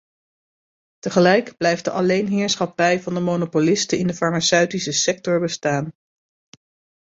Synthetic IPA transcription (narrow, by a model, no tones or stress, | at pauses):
təχəlɛjkblɛjft̚dəʔɑlejnɦɪːɹsχɑpɛjvɑndəmonopolɪstəɪndəfɑɹmasœɥtisəsɛk̚tɔɹbəstaːn